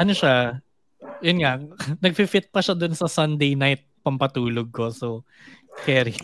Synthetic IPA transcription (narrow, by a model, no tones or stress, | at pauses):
ʔɐnoʃa | jʊnŋanɐɡ̚fɪfɪt̪̚pɐʃad̪ʊnsɐsɐnd̪ɛjnajt̪̚pɐmpɐt̪uːloɡ̚ko̞so | kɛɾi